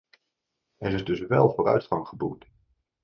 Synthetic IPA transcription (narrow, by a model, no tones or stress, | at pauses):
ɛɾɪzdɵsʋɛlˠvoːɾœ̰ɥtχɑŋχəbuk̚t